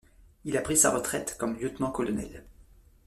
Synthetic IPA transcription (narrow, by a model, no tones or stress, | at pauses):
ilapχisa̰ʁət̪χɛt̪kɔmljøt̪nɑ̃kɔlɔnɛ̰l